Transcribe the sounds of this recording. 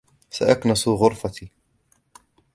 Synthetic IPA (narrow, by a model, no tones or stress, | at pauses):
saʔaknasʊɣʊɾˤfat̪iː